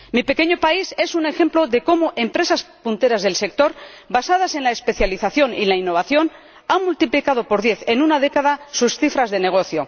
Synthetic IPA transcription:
mipe̞ke̞ɲopaise̞sune̞xe̞mplo̞ðe̞ko̞moʔe̞mpɾe̞saspunt̪eɾazðe̞lse̞k̚t̪o̞ɾ | basað̞ase̞nlaespe̞θjaliθaθjo̞nilainːo̞β̞aθjo̞n | aŋmult̪iplikað̞o̞po̞ɾðje̞θe̞nunað̞e̞kaðasusθifɾazðe̞ne̞ɣ̞o̞θjo̞

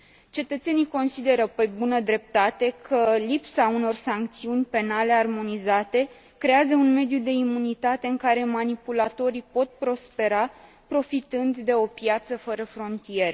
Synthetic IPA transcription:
t͡ʃe̞t̪ət̪se̞nijko̞nsid̪e̞ɾəpe̞bunəd̪ɾe̞p̚t̪at̪e̞kʰəlipsauno̞rsaŋkt̪siunʲpe̞nale̞armo̞nizat̪e̞ | kɾe̞azəunme̞d̪jud̪e̞imunit̪at̪e̞ɨŋkaɾe̞manipulat̪o̞ɾipo̞t̪̚pɾo̞spe̞ɾa | pɾo̞fit̪ɨnd̪ːe̞o̞pjat̪səfəɾəfɾo̞nt̪ije̞ɾe

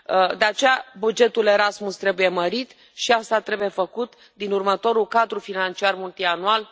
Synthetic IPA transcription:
d̪e̞at͡ʃe̞jabud͡ʒe̞t̪ule̞ɾasmust̪ɾe̞buje̞məɾit̪ | ʃiast̪at̪ɾe̞buje̞fəkut̪ | d̪inurmət̪o̞ɾulkad̪ɾufinant͡ʃiarmult̪ianual

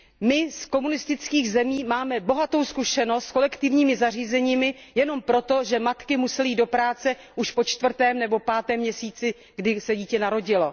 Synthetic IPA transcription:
mɪsko̞munɪst̪ɪt͡skiːɣzɛmiːmaːmɛbo̞ɦat̪o̞wskuʃɛno̞st̪sko̞lɛkt̪ɪvɲiːmɪzariːzɛɲiːmɪjɛno̞mpɾo̞t̪o̞ʒɛmat̪kɪmusɛlɪjiːdopɾaːt͡sɛ | ʔuʃpo̞t͡ʃt̪vr̩t̪ɛːmnɛbo̞paːt̪ɛːmɲɛsiːt͡sɪ | ɡdɪsɛɟiːcɛnaɾo̞ɟɪlo̞

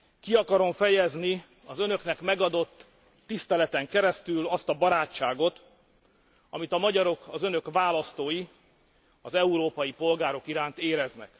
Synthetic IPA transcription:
kiɒkɒɾo̞ɱfɛjɛzni | ɒzø̞nø̞knɛkmɛɡɒd̪o̞t̪ː | ist̪ɛlɛt̪ɛŋkɛɾɛst̪ylɒst̪ɒbɒɾaːt͡ʃːaːɡo̞t̪ | ɒmit̪ɒmɒɟɒɾo̞kʰɒzønø̞kʋaːlɒst̪oːji | ɒzɛuɾoːpɒjipo̞lɡaːɾo̞kiɾaːnt̪eːɾɛznɛ̰k

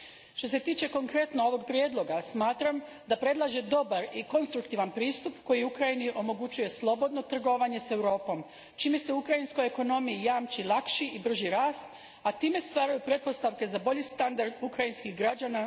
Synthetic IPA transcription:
ʃt̪o̞se̞t̪iːt͡ʃe̞ko̞ŋkɾe̞t̪noo̞ʋo̞ɡpɾje̞d̪lˠo̞ɡasmaːt̪ɾam | d̪apɾe̞d̪lˠaʒe̞d̪o̞baɾiko̞nst̪ɾukt̪iʋanpɾiːst̪upko̞jiukɾajiniʔo̞mo̞ɡut͡ʃuje̞slˠo̞bo̞d̪no̞t̪r̩ɡo̞ːʋaɲe̞se̞wɾo̞ːpo̞m | t͡ʃiːme̞se̞uukɾajinsko̞jeko̞no̞mijijaːmt͡ʃilˠakʃiʔibr̩ʒiɾaːst̪ | at̪iːme̞st̪ʋaːɾajupɾe̞t̪̚po̞st̪aʋke̞zabo̞ʎist̪and̪aɾd̪ukɾajinskiɣɡɾad͡ʒana

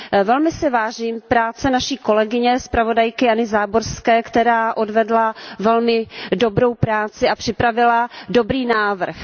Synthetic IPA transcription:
vɛlmɪsɪvaːʒiːmpɾaːt͡sɛnaʃiːko̞lɛɡɪɲɛspɾavo̞dajkɪanɪzaːboɾskɛːkt̪ɛɾaːʔo̞dvɛdlavɛlmɪdo̞bɾo̞wpɾaːt͡sɪapr̝̥ɪpɾavɪlado̞bɾiːnaːvr̩x

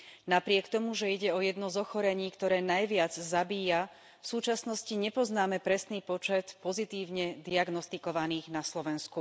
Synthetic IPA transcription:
napɾɪɛkt̪ɔmuʒɛiɟɛɔjɛd̪nɔzɔxɔɾɛɲiːkt̪ɔɾɛːnajʋɪad͡zzabiːja | fsuːt͡ʃasnɔsciɲɛpɔznaːmɛpɾɛsniːpɔt͡ʃɛt̪pɔzit̪iːʊɲɛd̪iaɡnɔst̪ikɔʋaniːɣnaslɔʋɛnsku

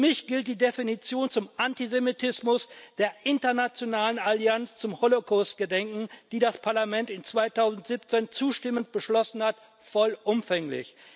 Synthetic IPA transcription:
mɪçɡ̥ɪlt̚d̥iːdefinit͡sjoːnt͡sʊmʔantizemitʰɪsmʊsd̥eːɐʔɪntɐnat͡sjonaːlənaliant͡st͡sʊmholokʰaʊst̚ɡ̥ədɛŋkŋ̩d̥iːdaspʰaɐlamɛntɪnt͡sv̥aɪtʰaʊzn̩tz̥ip̚t͡seːnt͡suːʃtɪmənt̚b̥əʃlɔsn̩hat | fɔlʔʊmfɛŋlɪ̰ç

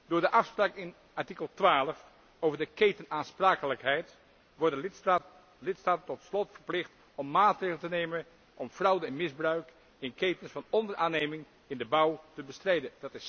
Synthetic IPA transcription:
dʊːɹdəʔɑfspraːkɪn | ɑɹtikəlˠtʋaːləf | owvəɹdəkejtənaːnspraːkələkɦɛjt | ʋɔdə | lɪtstaːtətɔtslɔtfəɹplɪχt | ɔmːaːtrejɣəlˠətənejmən | ʔɔmfrʌwdənɛnmɪzbrœɥk | ɪnkejtənsfɑnɔndərʔaːnejmɪŋ | ɪndəbʌwtəbəstrejdənd̥ɑtɪs

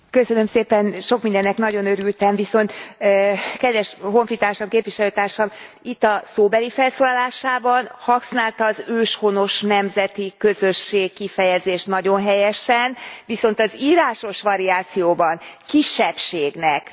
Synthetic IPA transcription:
kø̞sønø̞mseːpɛnʃo̞kmind̪ɛnːɛknɒɟo̞nøɾylt̪ɛɱviso̞nt̪ | kɛd̪ʋɛʃɦo̞ɱfit̪aːrʃɒmkeːpʋiʃɛløːt̪aːrʃɒm | it̪ːɒsoːbɛlifɛlsoːlɒlaːʃaːbɒnhɒsnaːlt̪ɒzøːʃho̞no̞ʃnɛmzɛt̪ikø̞zø̞ʃːeːkːifɛjɛzeːʃt̪nɒɟo̞nɦɛjɛʃɛnʋiso̞nt̪ɒziːɾaːʃo̞ʃʋɒɾiaːt̪sijoːbɒnkiʃːɛpʃeːɡnɛk

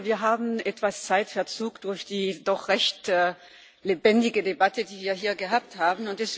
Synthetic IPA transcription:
viːɐɦaːbn̩ʔɛtv̥ast͡saɪtfɛɐt͡suːk̚d̥ʊɐçd̥iːdɔχʁɛçtː | lebɛndɪɡədebatədiːviːɐɦiːɐɡəɦaːp̚thaːbn̩ʊntɛs

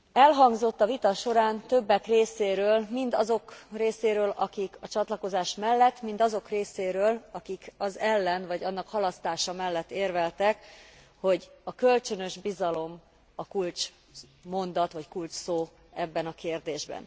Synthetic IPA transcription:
ɛlɦɒŋɡzo̞t̪ːɒvit̪ɒʃo̞ɾaːnt̪ø̞bːɛkreːseːɾøːlmind̪ɒzo̞kreːseːɾøːlɒkikʰɒt͡ʃɒt̪lɒko̞zaːʃmɛlːɛt̪ːmind̪ɒzo̞kreːseːɾøːlɒkikɒzɛlːɛnvɒɟɒnːɒkhɒlɒst̪aːʃɒmɛlːɛt̪ːeːrvɛlt̪ɛk | ho̞ɟɒkø̞lt͡ʃønø̞ʒbizɒlo̞m | ɒkult͡ʃ | mo̞nd̪ɒt̪ʋɒckult͡ʃsoː | ɛbːɛnɒkeːrd̪eːʒbɛ̰n

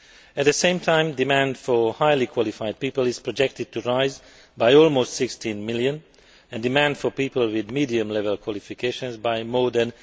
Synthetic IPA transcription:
ɛt̪̚d̪əsẽɪ̃mtʰãɪ̃mdɨmæ̃ndfɔ˞haɪlikʰwɔlˠifaɪd̚piːpəlɪz̥pɹɔd͡ʒɛk̚tɨd̚tuɹaɪz | bajɔlˠmostsɪkstʰĩnmɪlˠjə̃n | ɛ̃ndɨmæ̃nd̥fɔpiːpəlˠwɪd̪miːdiə̃mlɛvɛlkʰwɔlifikʰeʃə̃nzbaɪmɔɹd̪ɛ̃n

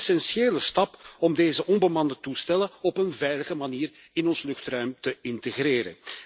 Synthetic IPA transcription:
sɛnsjeːləstɑpɔmdeːzəʔɔnbəmɑndətustɛlənɔpənvɛjləɣəmaniːr | ɪnɔnslɵxtrœɥmtəɪntəɣreːɾə̰n

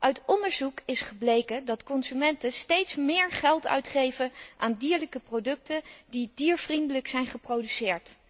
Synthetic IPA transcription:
ʔœɥtɔndəɹzukɪsχəblejkədɑtkɔnzymɛntəstejtsmɪːɹχɛlˠtœ̰ɥtχejvənʔaːndiːɹləkəprowdɵk̚təndidiːɹvrindələksɛjnχəprowdysɪːɹt

